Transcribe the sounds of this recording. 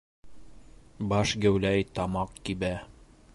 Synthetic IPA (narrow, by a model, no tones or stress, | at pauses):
bɑʃɡæwlæjt̪ɑmɑqkibæ